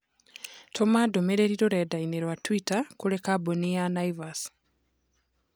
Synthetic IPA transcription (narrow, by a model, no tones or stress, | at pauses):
tʰɔmadomeɾeɾiɾoɾɛdaineɾwatwitakuɾekabonianaivas